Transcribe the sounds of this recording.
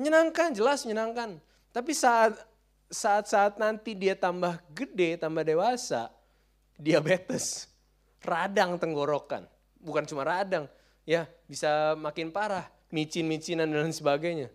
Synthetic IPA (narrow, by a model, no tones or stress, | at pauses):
ɲənaŋkand͡ʒəlasɲənaŋkan | t̪ap̬isaʔat̪̚ | saʔːt̪̚saːt̪̚nant̪idiat̪ambahɡədet̪ambahdewasa̰ | diabet̪əs | radaŋt̪əŋɡoɾoka̰n | bukant͡ʃumaɾadaŋ | jabisamakɪnpaɾah | mit͡ʃinmit͡ʃinandansəbaɡajɲa